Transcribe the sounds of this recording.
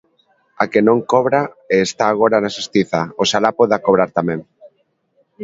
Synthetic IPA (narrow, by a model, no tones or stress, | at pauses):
akenõŋkɔβɾa | eːst̪aːɣ̞oɾanasest̪iθaosalapoðakoβ̞ɾaɾt̪amẽŋ